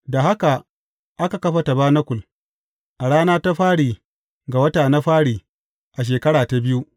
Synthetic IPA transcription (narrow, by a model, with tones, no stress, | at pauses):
da˨ɦa˦ka˨ | ʔa˦ka˨kɐ˦ɸa˨ta˨baː˦nɐ˦kʷʊ˨l | ʔa˨ɽaː˦naː˦ta˦ɸaː˦ɽiː˨ | ɡa˨wɐ˦taː˨na˦ɸaː˦ɽiː˨ | ʔa˨ʃ̬eː˨kɐ˦ɽaː˨ta˨bɪ˦ju˦ʔ